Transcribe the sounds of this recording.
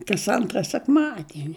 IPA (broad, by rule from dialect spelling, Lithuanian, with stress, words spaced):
kɐs ˈɐntrɐ sʲɛkˈmɑːdʲiɛnʲɪ